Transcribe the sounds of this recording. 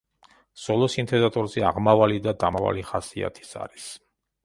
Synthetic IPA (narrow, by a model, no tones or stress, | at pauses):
z̥ɔlˠɔsint̪ʰɛd̪at̪ʼɔɾzɛa̰ʁmavalid̪ad̪amava̰liχasia̰t̪ʰi̥sa̰ɾis